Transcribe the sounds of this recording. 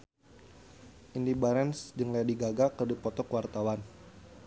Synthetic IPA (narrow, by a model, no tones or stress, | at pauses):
ʔindibaɾɛnsd͡ʒɨŋlɛdiɡaɡakərdipɔt̪ɔkwart̪awan